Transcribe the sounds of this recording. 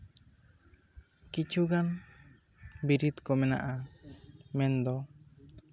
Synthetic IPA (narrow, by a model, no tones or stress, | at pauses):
kit͡ʃʰuɡan | biɾit̪kɔmɛna̰ʔa | mɛnd̪ɔ